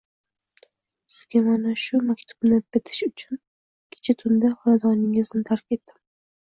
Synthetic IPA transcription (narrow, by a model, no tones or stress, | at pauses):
sɪz̥ɡʲamanaʃʊmakʲt̪ʰʊ̥b̥nɪbɪt̪ʰɪ̥ʃʊt͡ʃʰʊn | kʲʰe̥t͡ʃʰat̪ʰʊnd̪aχɒnad̪ɒnɪŋɪznɪt̪ʰaɾkʲʰe̞t̪ːɪm